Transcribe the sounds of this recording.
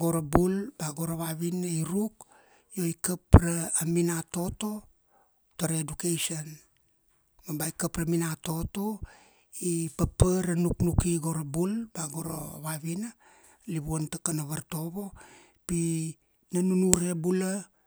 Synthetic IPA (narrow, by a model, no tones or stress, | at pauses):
ɡo̞ɾabulbaɡoɾoβaβinaiɾuk̚ | jo̞ikapɾaːminato̞to̞ | taɾedukejson | mabaikapɾaminato̞to̞ | ipapəɾanuknukiɡo̞ɾabulbaɡoɾo̰βaβina | liβuontakanaβaɾto̞βo̞ | pi | nanunuɾe̞bula